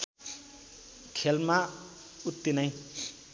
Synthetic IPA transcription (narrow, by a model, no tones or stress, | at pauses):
kʰelma | ut̪ːinʌj